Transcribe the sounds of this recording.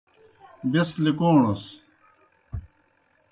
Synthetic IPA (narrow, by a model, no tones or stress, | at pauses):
beslikoːɳos